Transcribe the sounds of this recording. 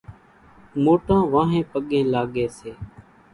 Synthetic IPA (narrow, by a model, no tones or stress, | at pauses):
moːʈãːʋãːɦẽːpəɠẽːlaːɠeːseː